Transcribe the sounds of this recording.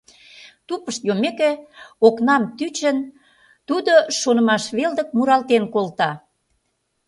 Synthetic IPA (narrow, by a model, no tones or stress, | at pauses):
t̪upəʃt̪jomekeoknɑmt̪yt͡ɕən | t̪ud̪oʃonə̆mɑʃβeld̪ək̚muɾɑlt̪enkolt̪ɑ